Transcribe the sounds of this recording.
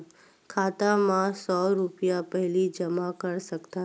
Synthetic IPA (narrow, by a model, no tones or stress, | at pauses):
kʰaːt̪amãsɔːɾʊpjapɛɦlid͡ʒəmakəɾsəkt̪a